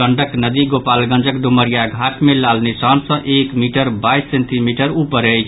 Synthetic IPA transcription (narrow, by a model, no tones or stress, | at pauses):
əɳɖəknəd̪iɡopalɡə̃nd͡ʒəkɖuməɾijaɡʱaʈmelalnisansə̃ʔekmiʈəɾbajsːent̪imiʈəɾupəɾəjt͡ʃʰ